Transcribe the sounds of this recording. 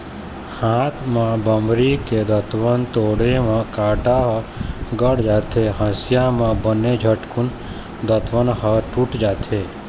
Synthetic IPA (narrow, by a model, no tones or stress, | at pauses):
hãt̪ʰmãbəmɾiked̪ət̪ʋənt̪oɽemãkaʈaɦəɡəɽd͡ʒat̪ʰeɦə̃sjamãbəned͡ʒʱəʈkun | d̪ət̪ʰʋənɦəʈuʈd͡ʒat̪ʰe